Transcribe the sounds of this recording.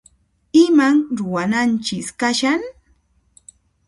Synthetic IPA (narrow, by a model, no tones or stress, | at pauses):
ɪmaŋɾʊwanant͡ʃɪskaʃaŋ